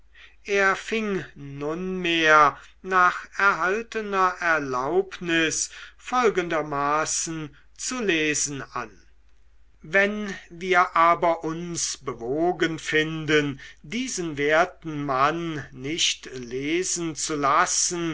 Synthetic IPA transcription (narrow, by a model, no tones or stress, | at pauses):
ʔeːɐfɪŋnʊnmeːɐ | naːχɛɐɦaltənɐʔɛɐlaʊpnɪsfɔlɡəndɐmaːsn̩ | t͡suleːzn̩a̰n | vɛnviːɐʔaːbɐʔʊnsbəvoːɡənfɪndəndiːzənveɐtn̩manːɪʃtleːzn̩t͡sulasən